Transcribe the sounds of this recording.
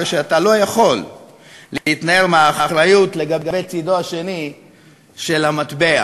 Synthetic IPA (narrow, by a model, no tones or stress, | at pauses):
ʃeatalo̞jaχo̞lː | eitnae̞ʁmeaχaχɾajutleɡaɡabet͡sidoaʃe̞ni | ʃe̞lamat̪bea